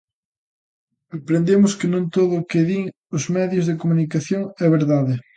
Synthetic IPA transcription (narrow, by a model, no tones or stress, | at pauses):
ɐpɾend̪emʊskɪnũnt̪oðʊkeðiŋ | ʊzmɛðjʊzðekomunikaθjoŋɛβeɾðaðɪ